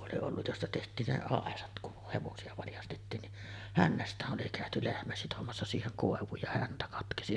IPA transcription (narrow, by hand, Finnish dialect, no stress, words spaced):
oli olːuj jostɑ tehtˑiːn ne ɑˑesɑt kuh heʋosiɑ ʋɑljɑstetːiːn niʔ hænːæstˑæːʔ ʔoli kæˑøty lehmæ sitomɑsːɑ siːheŋ koˑeʋˑuːj jɑ hæntæ kɑtkesi